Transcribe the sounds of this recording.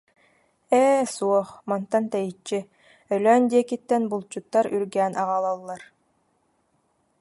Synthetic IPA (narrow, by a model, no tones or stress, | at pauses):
ɛːsuɔχmant̪ant̪ɛjit͡ɕːi | œlœːnd̪iɛkit̪ːɛnbulˠt͡ɕut̪ːaɾyɾɡæːnʔaʁalˠɔlˠːaɾ